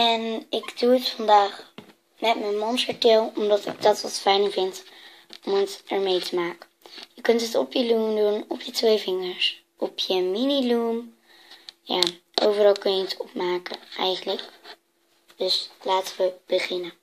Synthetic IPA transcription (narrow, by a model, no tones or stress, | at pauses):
ɛnɪɡduətfɑndaːχ | mɛtmənmɔnsəɹtɪːlˠɔmdɑtɪ̰ɡ̚dɑtʋɑ̰tfɛjnəvɪnt | ɔmətɛɹmejtəmaːkə | jəkɵntətɔpjəlumdunɔpjətʋejvɪŋəɹs | ʔɔpʰjəminilum | ja̰ːʔowvərɑlˠkøjətsɔpmaːkəʔɛjχənlək | d̥ɵslaːtəʋəb̥əχɪnə